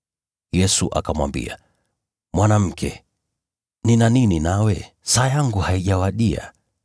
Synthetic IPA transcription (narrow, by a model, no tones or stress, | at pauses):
jɛsuʔa̰kamwa̰mbḭa | mwanam̩kʰɛ | ninanininawɛ | saːjaŋɡuhaiʄawaɗia̰